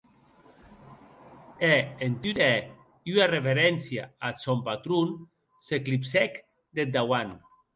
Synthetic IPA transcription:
eent̪yt̪ɛ | yarefeɾɛnsja̰asompat̪ɾun | seklipsɛk | d̪ed̪awan

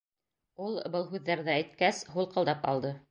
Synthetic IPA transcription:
ulˠbɤlˠɦʉðːæɾðææjt̪kæsɦulˠqɑlˠd̪ɑpɑ̰lˠd̪ɤ

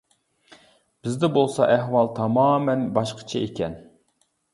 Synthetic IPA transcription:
b̥ɪzd̪ɛbolˠsɑʔæɦwɑlˠt̪ʰɑmɑːmɛnbɑʃqʰə̥t͡ʃʰɛekʲɛn

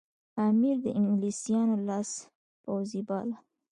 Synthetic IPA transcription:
amiɾd̪əʔɪŋɡlisijɑnolɑs | pawzibɑla

